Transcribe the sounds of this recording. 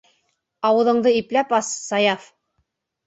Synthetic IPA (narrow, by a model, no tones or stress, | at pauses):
ɑwɤ̆ðɤ̆ɴd̪ɤiplæpɑsːɑjɑf